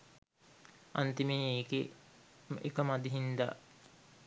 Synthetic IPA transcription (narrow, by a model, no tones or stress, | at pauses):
a̰nt̪imiːeːɡe | ḛkəmad̪iɦind̪a̰